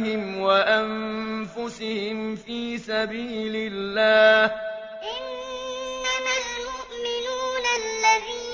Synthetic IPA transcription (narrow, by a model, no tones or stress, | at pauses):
hɪmwaʔanfʊsɪhɪmfiːsabiːlɪlːaːh | ʔɪnː | amalmʊʔmɪnuːnalːaðiː